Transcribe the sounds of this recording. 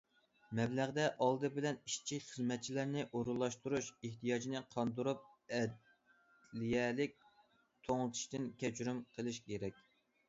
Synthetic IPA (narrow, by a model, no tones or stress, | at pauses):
mɛblæʁd̪ɛʔɑlˠd̪ɨbɪlɛniʃt͡ʃʰikʲχəzmɛt̪̚t͡ʃʰilæɾnɪʔoɾulˠːɑʃt̪uɾuʃeht̪ʰijɑd͡ʒinɨqʰɑnd̪uɾup̚ɛd̪ | lijɛlɪk̚ʲ | t̪ʰoŋlˠɨt̪ʰu̥ʃt̪ɨnkʲɛt͡ʃɾymqʰəlˠɨʃkʲeɾɛkʲ